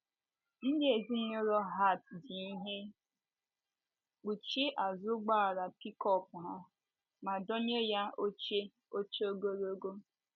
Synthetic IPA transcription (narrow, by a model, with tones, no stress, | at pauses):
n̩˦dɪ˦e˨zi˦ɲo˦ɾɔ˦ɦa˦˨tdi˨i˦ɦe˦ | k͡pu˨t͡ʃi˦ʔa˨zʊ˦ɡ͡ba˦a˨ɾa˨pi˦kɔ˦pʊ˨ɦa˦ | ma˨dɔ˦ɲe˦ja˦o˦t͡ʃe˦ | o˦t͡ʃo˦ɡo˦ɾo˦ɡo˦